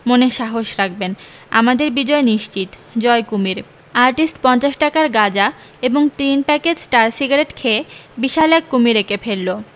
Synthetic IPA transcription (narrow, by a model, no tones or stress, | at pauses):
moneʃaɦoʃɾak̚ʰben | a̰mad̪eɾbid͡ʑɔeniʃt͡ɕit̪ | d͡ʑɔekumiɾ | aɾʈisʈpɔnt͡ɕaʃʈakaɾɡad͡ʑa | eboŋt̪inpɛked͡ʑsʈaɾsiɡaɾeʈkʰebiʃalɛkːumiɾekefelːo